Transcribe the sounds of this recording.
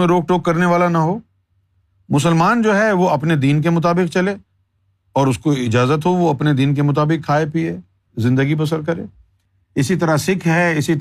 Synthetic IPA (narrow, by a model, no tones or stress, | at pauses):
ẽɾoːk̚ʈoːkːɐɾneʋaːlanɐɦoː | mʊs̬əlmaːnd͡ʒoːɦɛʋoɐpned̪iːnk̬emʊt̪̬aːbɪk̚t͡ʃɐleː | ɔːɾʊskoɪd͡ʒaːzət̪ɦoʋoɐpned̪iːnk̬emʊt̪̬aːbɪkʰːaːepie | zɪ̃nd̪əɡip̬ɐs̬ə̃ɾd̪kɐɾḛː | ɪsit̪̬ɐɾasɪkʰɦɛɪsi